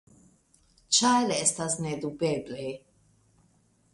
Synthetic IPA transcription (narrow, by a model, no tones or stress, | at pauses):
t͡ʃʰajlɛɛst̪ʰasnɛd̪ubɛblɛ